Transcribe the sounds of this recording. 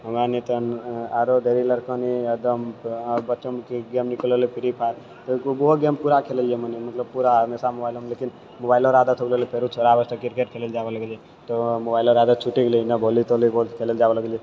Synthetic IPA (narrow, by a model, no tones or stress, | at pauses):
əmanit̪ənaɾod̪ʱeɾiləɾkɔniəd̪əmbətːt͡ʃəmkeɡemnikələlipʰiɾipʰaɾ | t̪ɔkboɦoɡempuɾakʰeləlijemənimət̪ləb̚puɾamesamobaɪilomlekin | mobaːɪloɾad̪ət̪ʰɦokləlipʰeɾut͡ʃʰoɾabəst̪əkiɾkeʈ̚kʰeleld͡ʒaʋələɡlie | t̪omobaɪloɾad̪ət̪̚t͡ʃʰuʈiɡlinəbʱolit̪olibʱokʰeleld͡ʒaʋələɡlie